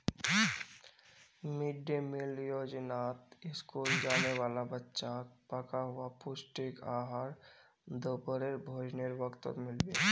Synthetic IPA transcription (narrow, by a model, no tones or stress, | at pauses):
mɪɖemɪljoːd͡ʒnaːt̪ɪskuːld͡ʒaːneʋaːlabətːʃakpəkaɦʊapʊsʈɪkaːɦaɾ | d̪opəɾeɾbʱoːd͡ʒneɾbəkt̪ə̰mɪlbe